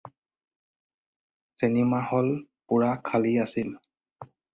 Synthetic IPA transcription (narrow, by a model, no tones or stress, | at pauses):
senimahɔlpʊɹakʰaliasil